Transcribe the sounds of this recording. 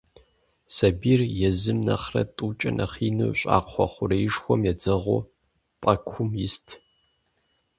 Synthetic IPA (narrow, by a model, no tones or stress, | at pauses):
sɐbiːrjɛzɨmnɐχrɐ̰tʼuːt͡ʃʼɐnʔɐ̰χiːnuɕʼa̰ːqʰʷɔχʷʊrejʂxʷɔmjɛd͡zɐʁʷʊ̰ | pʼɐkʷʰʊmjɪstʰ